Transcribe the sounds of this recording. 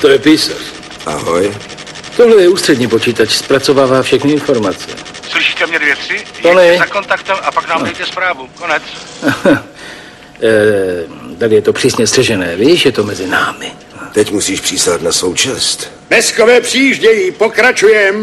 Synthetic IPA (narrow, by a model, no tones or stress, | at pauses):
t̪ojɛpiːsa̰ɾ | ʔa̰ɦoj | ft̪oɦlɛjɛuːst̪r̥ɛdɲiːpo̞t͡ʃiːt̪at͡ʃspɾat͡so̞vaːvaːfʃɛxnɪɪnfo̞ɾmat͡sɛ̰slɪʃiːt̪ɛmɲɛdvjɛt̪sɪj̪oɛnɛzakont̪akt̪ɛmapaknaːmdɛjt̪ɛspɾaːvukonɛt͡s | t̪adɪjɛt̪o̞pr̥iːsɲɛst̪r̥ɛʒɛnɛːviʃjɛt̪o̞mɛzɪnaːmɪ | t̪ɛcmusiːʃpr̥iːsat̪nasowt͡ʃɛst̪ | mɛskovɛːpr̥iiʒɟɛjiːpokɾat͡ʃujɛm